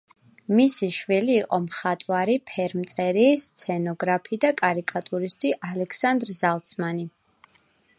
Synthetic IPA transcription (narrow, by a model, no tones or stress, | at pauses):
misiʃwiliːqʼɔmχat̪ʼwaɾipʰɛɾmt̪sʼɛɾist̪sʰɛnɔɡɾapʰid̪akʼaɾikʼat̪ʼuɾist̪ʼiʔalɛkʰsand̪ɾzalˠt̪sʰmani